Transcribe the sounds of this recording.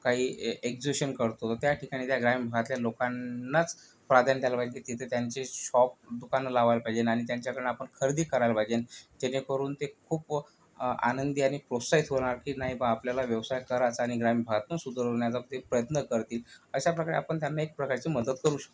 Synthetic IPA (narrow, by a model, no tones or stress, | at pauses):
kaɦiːekd͡ʑiɕənkəɾt̪ot̪ət̪jaʈʰikaɽ̃iːt̪jaɡɾamibʱəɡat̪ljalokanːat͡s | pɾad̪ʱjant̪jalabʱad͡ʑenkit̪it̪ʰət̪jaɲt͡seɕɔp̚d̪ukanlaʋajlpaid͡ʑenaɽ̃it̪jaɲt͡ɕjakəɾə̃eapəɳkʰəɾd̪iːkəɾajlbʱajd͡ʑent̪enekəɾuːnt̪ekʰuːp | a̰nənd̪iːaɽ̃ipɾosait̪ɦoɽ̃aɾkiːnaɦibaapljalaʋjəʋsajkəɾat͡saːɽ̃iɡɾamibʱəɡat̪usud̪əɾoɳjat͡sapt̪epɾəjət̪nəkəɾt̪iːləɕapɾəkaɾḛapəɳt̪janːaek̚pɾəkaɾt͡siːməd̪ət̪kəɾũːɕə̥k̚t̪